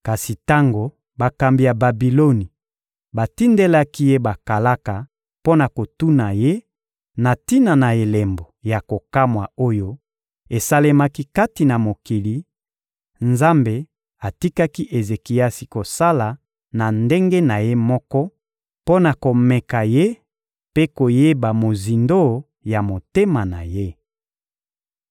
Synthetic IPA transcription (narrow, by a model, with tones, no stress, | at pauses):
ka˨si˨ta˦ŋɡo˨ | ba˨ka˨mbi˨ja˨ba˨bi˨lo˦ni˨ | ba˨ti˦nde˦la˦ki˦je˦ba˨ka˨la˦ka˨ | po˦na˨ko˨tu˦na˨je˦ | na˨ti˦na˨na˨e˨le˨mbo˨ja˨ko˨ka˦mwa˨o˦jo˦ | e˨sa˦le˦ma˦ki˦ka˦ti˨na˨mo˨ki˨li˨ | nza˦mbe˨ | a˨ti˦ka˦ki˦ʔe˨ze˨ki˨ja˦si˨ko˨sa˦la˨ | na˨nde˦ŋɡe˦na˨je˦mɔ˦kɔ˦ | po˦na˨ko˨mɛ˨ka˨je˦ | pe˦ko˨je˦ba˨mo˨zi˨ndo˦ | ja˨mo˨te˦ma˨na̰˨je˦